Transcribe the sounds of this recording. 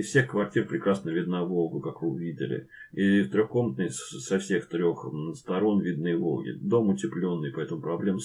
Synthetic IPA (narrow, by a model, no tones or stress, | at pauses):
ɪsfsʲe̞xkvɐrtʲirpɾʲɪkɾasnəvʲɪd̪navo̞lˠɡʊkakvɨʊvʲidʲɪ̰lʲɪ̰ | ift̪ɾʲoxko̞mət̪nɨjsɐfsʲe̞xt̪ɾʲo̞xst̪ɐɾo̞nvʲid̪̚nɨjvo̞̰lˠɡʲɪ̰d̪o̞mʊtʲɪplʲo̞nːɨjpɐɛt̪əmʊpɾɐblʲemə